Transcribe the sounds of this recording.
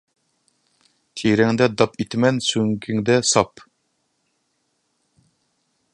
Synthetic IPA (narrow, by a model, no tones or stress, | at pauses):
t̪ʰiɾɛŋd̪ɛd̪ɑpʰit̪mɛnsyŋkʲʰiŋd̪ɛsɑp